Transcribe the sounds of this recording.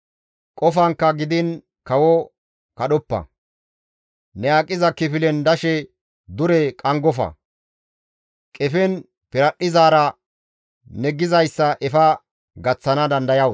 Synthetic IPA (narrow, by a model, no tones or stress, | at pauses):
kʼɔfɐŋkːɐɡɪd̪ɪn | kɐwɔ | kɐɗɔpːɐ̰ | nɛjaːkʼːɪzɐkɪfɪlɛnd̪ɐʃɛ | d̪ʊɾɛkʼɐŋɡɔfɐ̰ | kʼɛfɛn | pɪɾɐɗːɪzaːɾɐ | nɛɡɪzɐjsːɐʔɛfɐ | ɡɐt͡sːɐnɐd̪ɐnd̪ɐjɐw